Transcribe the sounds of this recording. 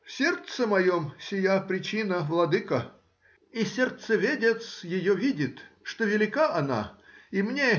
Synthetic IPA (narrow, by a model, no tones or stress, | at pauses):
fsʲe̞rt̪səmɐjomsʲɪjapɾʲɪt͡ɕinəvlˠɐd̪ɨkə | isʲert̪səvʲedʲet̪sjɪjovʲidʲɪt̪ʂt̪ovʲɪlʲɪkaʔɐna̰imnʲe